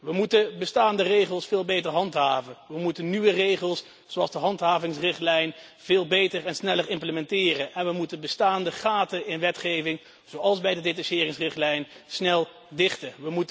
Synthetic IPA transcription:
ʋəmutəbəstaːndərejχəlˠsfɪːlˠbejtəɹɦɑntɦaːvənʋəmutənnyʋərejχəlˠs | zowɑlˠzdəɦɑntɦaːvɪŋsrɪχtlɛjn | v̥ɪːlˠbejtərɛnsnɛləɹɪmpləmɛntɪːrənɛnʋəmutənbəstaːndəχaːtəɪnʋɛtχejvɪŋ | z̥owɑlˠzbɛjdədetɑʃɪːrɪŋsrɪχtlɛjn | snɛlˠ | dɪχtəʋəmut

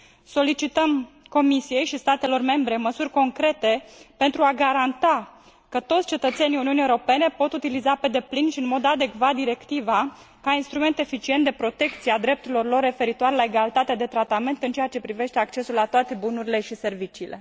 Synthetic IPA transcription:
so̞lit͡ʃit̪əm | ko̞misije̞jʃist̪at̪e̞lo̞rme̞mbɾe̞məsurʲko̞ŋkɾe̞t̪e̞pe̞nt̪ɾuaɡaɾant̪a | kət̪o̞t̪sʲt͡ʃe̞t̪ət̪se̞niuniuniewoɾo̞pe̞ne̞po̞t̪ut̪ilizape̞d̪e̞plinʃiɨnmo̞d̪ad̪e̞kvat̪̚d̪iɾe̞kt̪iva | kainst̪ɾume̞nt̪e̞fit͡ʃie̞nt̪d̪e̞pɾo̞t̪e̞kt̪siead̪ɾe̞p̚t̪uɾilo̞rlo̞rːe̞fe̞ɾit̪oaɾelaeɡalit̪at̪ed̪e̞t̪ɾat̪ame̞nt̪ɨnt͡ʃejat͡ʃe̞pɾive̞ʃt̪e̞akt͡ʃe̞sulat̪oat̪e̞bunuɾile̞ʃise̞rvit͡ʃiːle̞

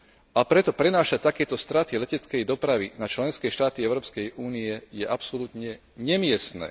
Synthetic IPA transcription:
apɾɛt̪ɔpɾɛnaːʃact̪akɛːt̪ɔst̪ɾat̪ilɛcɛt͡skɛjd̪ɔpɾaʋḭnat͡ʃlɛnskɛjʃt̪aːt̪iɛʊɾɔːpskɛjuːniɛjɛʔapsɔlut̪ɲɛ | ɲɛmɪɛsnɛ̰ː

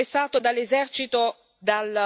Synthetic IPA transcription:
esːaːt̪od̪alːezɛrt͡ʃit̪o | d̪al

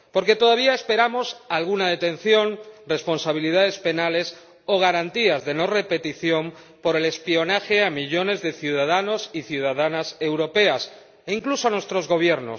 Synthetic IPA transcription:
po̞ɾke̞t̪o̞ðaβ̞iae̞spe̞ɾamo̞salɣ̞unaðe̞t̪ẽ̞nθjo̞nre̞spo̞nsaβilið̞aðe̞spe̞nale̞s | o̞ɣ̞aɾant̪iazðe̞no̞re̞pe̞t̪iθjo̞m | po̞ɾe̞le̞spio̞naxe̞amiʝo̞ne̞zðe̞θjuð̞að̞ano̞siθjuð̞aðanase̞wɾo̞pe̞as | iŋklusoanwe̞st̪ɾo̞zɣo̞β̞je̞ɾno̞̰s

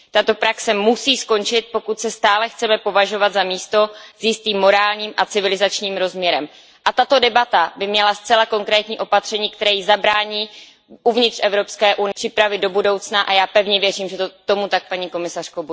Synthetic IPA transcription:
t̪at̪o̞pɾaksɛmusiːsko̞nt͡ʃɪt̪̚po̞kut̪sɛst̪aːlɛxt͡sɛmɛpo̞vaʒo̞vad̪zamiːst̪o̞z̥jɪst̪iːmːo̞ɾaːlɲiːmʔat͡sɪvɪlɪzat͡ʃɲiːmɾo̞zmɲɛɾɛm | ʔat̪at̪o̞dɛbat̪abɪmɲɛlast͡sɛlako̞ŋkɾɛːt̪ɲiːʔo̞pat̪r̝̥ɛɲiːk̚t̪ɛɾɛːjizabɾaːɲiː | ʔuvɲɪt̪rɛvɾo̞pskɛːʔunɪr̥ɪpɾavɪd̪do̞budo̞wt͡snaʔajaːpɛvɲɛvjɛriːmʒɛt̪ot̪o̞mut̪ak̚paɲiko̞mɪsar̥kobu

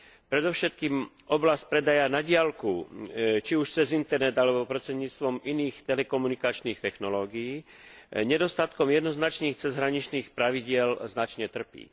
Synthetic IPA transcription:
pɾɛd̪ɔʊʃɛt̪̚kiːm | ɔblastc̚pɾɛd̪ajanaɟɪalkut͡ʃiuʃt͡sɛzint̪ɛɾnɛt̪alɛbɔpɾɔt͡sɛɲɲiːt͡st̪ʋɔminiːxt̪ɛlɛkɔmunikat͡ʃniːxt̪ɛxnɔlɔːɡijiː | ɲɛd̪ɔst̪at̪kɔmjɛd̪nɔznat͡ʃniːxt͡sɛzɦɾaɲit͡ʃniːxpɾaʋiɟɪɛlznat͡ʃɲɛt̪r̩pḭː

